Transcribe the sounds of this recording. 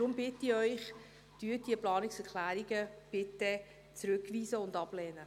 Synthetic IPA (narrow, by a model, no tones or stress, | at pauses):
ɾʊmbɪtiœʏχ | d̥yːədiəplɑːnɪksɛʁkʰlæːɾiɡəb̥ɪtə | t͡sɾʏkviːsəʊndɑb̥lɛːnə